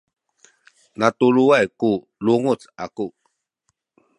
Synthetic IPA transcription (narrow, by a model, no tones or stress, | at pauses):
nat̪uluajku | luŋut͡saku